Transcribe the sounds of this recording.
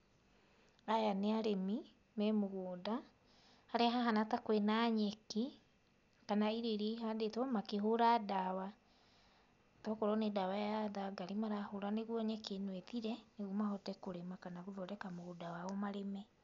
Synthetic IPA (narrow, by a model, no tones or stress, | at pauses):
ajaneaɾemi | mɛmoɣoːda | haɾeɦaɦanatakwenaɲɛke | kanaiɾeɾiɦadetɔmakeɦoɾadawa | tɔkɔɾɔnedawajaðaɡaɾimaɾahoɾaneɣwɔɲɛkenwetiɾɛneɣumaɦɔtɛkoɾemakanaɣuðɔɾɛkamoɣodawaɔmaɾemɛ